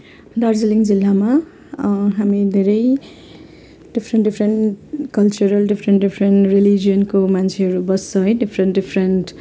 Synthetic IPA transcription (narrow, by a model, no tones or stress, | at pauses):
d̪aɾd͡zʌliŋd͡zilːama | ɦamid̪ʱeɾʌj | ɖ̥ipʰɾeɳʈɖipʰɾenʈkʌlt͡ʃuɾʌlɖipʰɾenʈɖipʰɾenʈɾeliɡijʌnkomant͡ʃʰeɦʌɾubʌsːʌ̃ɖipʰɾenʈɖipʰɾenʈ